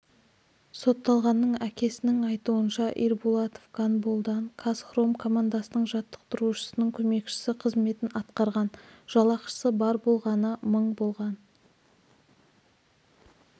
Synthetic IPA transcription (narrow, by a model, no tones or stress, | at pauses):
so̞t̪ːɑlˠʁɑnːəɴækʲʰe̞sɪnɪŋɑjt̪uənʃɑʔḭɾbulˠɑt̪o̥fkʰanbolˠd̪ɑɴkʰasχro̞mkʰo̞mand̪asənəɴʒɑt̪ːə̥q̚t̪ʊɾuʃə̥sənəɴkʲʰɵme̞kʃɪ̥sɪqʰəzme̞t̪ɪnɑt̪qɑɾʁɑnʒ̥ɑlˠɑqʃə̥səbɑɾbo̞lˠʁɑnəməɴbo̞lˠʁɑn